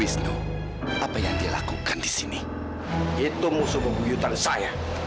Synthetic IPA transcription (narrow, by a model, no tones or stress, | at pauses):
ɪsɲu | ʔapajaŋdiala̰kukandisini | it̪umusubəbujut̪ansaja